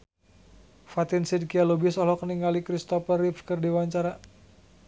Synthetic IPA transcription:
fat̪insidkialobɪsɔlɔkəniŋɡalikɾist̪ɔpərifkɨrdiwaɲt͡ʃaɾa

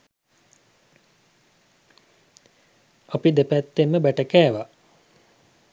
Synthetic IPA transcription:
apid̪epæt̪ːemːəbæʈəkæːʋa

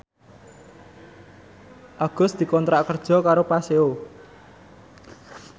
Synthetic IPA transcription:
ʔaɡ̥ʊ̤sd̪̥i̤kɔnt̪ɾaʔkərd̥ʒ̥ɔ̤kaɾopaseo

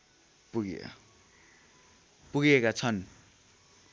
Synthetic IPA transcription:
puɡ̰ | puɡiekat͡sʰʌn

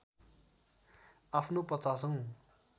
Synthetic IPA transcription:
apʰnopʌt̪ːas̬ʌŋ

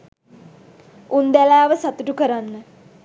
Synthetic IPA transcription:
und̪ælaːʋəsat̪uʈukəɾanːə

